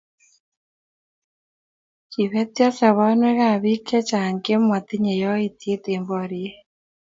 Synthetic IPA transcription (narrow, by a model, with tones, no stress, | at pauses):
ki˨βɛ˦tja˦sa˨βa˦nwe˦ɣa˦˨βi˦kɛ˦t͡ʃa˨ŋke˦mwa˨ti˦ɲe˨jɔ˦i˨tie˦te˨mbɔ˨ɾie˦